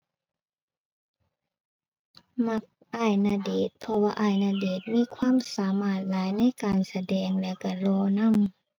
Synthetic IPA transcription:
ma˧˥k̚ʔaː˧˩jna˧deː˨˩t̪̚pʰɔ˧waː˧ʔaː˧˩jna˧deː˨˩t̪̚miː˧˥˨kʰwaː˧˥˨msaː˨˦maː˧˩t̪̚laː˨˦jna˧˥˨jkaː˨nsa˧dɛː˨ŋlɛ˧˨wka˧˩lɔː˧na˧˥˨m

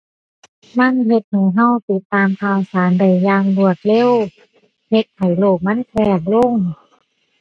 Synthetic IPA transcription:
ma˧˥˨nhe˧t̪̚nuː˧˩˦ɦa˧˥˨wt̪i˧˦t̪ːaː˧mkʰaː˧˩wsaː˨˦nda˧˨˩jːaː˧ŋlu˧˩ət̪̚le˧˥˨w | he˧˦t̪̚ha˨˩jloː˧˩k̚ma˧˥˨nkʰɛː˧˩k̚lo˧˥˨ŋ

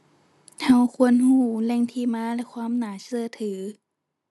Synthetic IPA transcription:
ha˧˩wkʰu˧˨ənhuː˧˩lɛ˧˩˨ŋt̪ʰiː˧maː˧˥˨lɛ˧˩kʰwaː˧˥˨mnaː˨˩sɯ˧ət̪ʰɯː˨˩˦

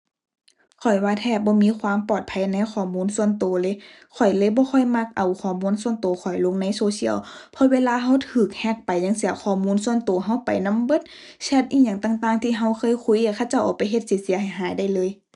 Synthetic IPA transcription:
kʰɔ˨˩jwaː˧t̪ʰɛː˧˩p̚bɔː˧˦miː˧˥˨kʰwaː˧˥˨mpɔː˨˩t̪̚pʰa˧˥jna˧˥˨jxʰɔː˧˩muː˧˥˨nsu˧˥˨ənt̪oː˨˦lɤ˧˥˦j | kʰɔ˨˩jlɤː˧˦jbɔː˧˦xʰɔ˧˩jma˧˥k̚ʔa˨˩wkʰɔː˨˩muː˧˥˨nsu˧˨ənt̪oː˨˦xʰɔ˨˩jlo˧˥ŋna˧˥˨jsoː˧si˧˩˨əwpʰɔ˧weː˧˥˧laː˧ɦa˧˥˨wt̪ʰɯː˨˩k̚hɛ˧˥k̚pa˨jɲa˧˥ŋsi˧˦ɐkʰɔː˨˩muː˧˥˨nsu˧˨ənt̪oː˨˦ɦa˧˥˩wpa˨jna˧˥˨mbɤ˧˦t̪̚ | sʰɛ˧˩t̪̚ʔiː˧˥˩ɲaː˧˩˨ŋt̪aː˧˩˨ŋt̪aː˧˩ŋt̪ʰiː˧˨ɦa˧˥˩wkʰɤː˧˥˨jkʰu˧˥˨jkaː˧˩xʰa˧˨t͡ɕa˧˩wʔaː˨˩pa˨jɦe˧t̪̚siː˨˧˦t̪̚si˨˦ɦa˨˩jɦaː˨˦jda˧˩jlɤː˧˥˨j

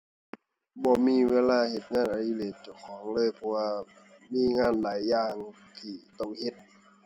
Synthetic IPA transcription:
bɔː˧˦miː˧˥˨weː˧˥˨laː˧˨he˧˩t̪̚ŋaː˧˥˨nʔa˨˧liː˧˨leː˨˩t̪̚t͡ɕa˧˩wkʰɔː˨˦ŋlɤː˧˥˨jpʰɔ˧waː˧ | miː˧˥˨ŋaː˧˥˨nlaː˨˦jːaː˧˩ŋ | t̪ʰiː˧˩t̪ɔ˧˩ŋhe˧˦t̪̚

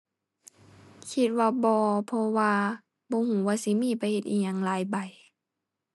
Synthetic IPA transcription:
kʰi˧t̪̚waː˧bɔː˧pʰɔ˧waː˧ | bɔː˧˦huː˨˦waː˧˨si˧˦miː˧˥˨pʰa˧˦he˧˩t̪ʔiː˧˦ɲaː˧˨ŋlaː˨˦jba˨˩j

